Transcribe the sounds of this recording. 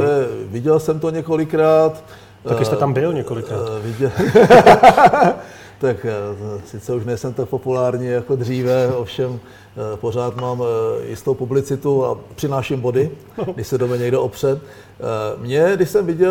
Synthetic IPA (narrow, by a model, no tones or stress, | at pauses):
ɛvɪɟɛlsɛmt̪oɲɛko̞lɪkɾaːt̪ | akst̪ɛt̪ambɪlɲɛkolɪkɾavɪɟɛ | t̪aksɪt͡sɛuʃnɛjsɛmt̪ak̚po̞pulaːɾɲijako̞d̪r̝iːvɛofʃɛm | po̞r̝aːt̪maːmjɪ̰st̪o̞wpublɪt͡sɪt̪ua̰pr̥ɪnaːʃɪmbo̞dɪ | ɡdɪʃsɛdomɛɲɛɡdɛʔopr̝̥ɛt̪ | mɲɛdɪʃsɛmvɪɟɛ